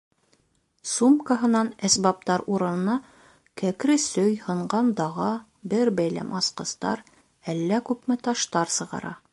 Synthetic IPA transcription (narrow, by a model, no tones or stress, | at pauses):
sumkəɦɤ̆nɑnæsbɑp̚t̪ɑɾuɾɤ̆nɤ̆nɑ | kækɾɘsɵjhɤ̆ɴɢɑnd̪ɑʁɑ | bɘɾbæjlæ̰mʔɑsqɤ̆st̪ɑ̰ɾ | ælːækʉpmɘt̪ɑʃt̪ɑɾsɤ̆ʁɑ̰ɾɑ̰